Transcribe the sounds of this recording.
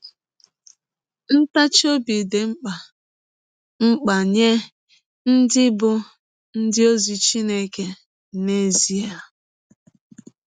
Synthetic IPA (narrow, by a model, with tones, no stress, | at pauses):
n̩˦ta˦t͡ʃo˦bi˨de˨ŋ͡m̩˦k͡pa˨ | ŋ͡m̩˦k͡pa˨ɲe˦ | n̩˦dɪ˦bʊ˦ | n̩˦dɪ˦o˦zi˨t͡ʃi˦ne˦ke˦ | ne˦zi˨a˨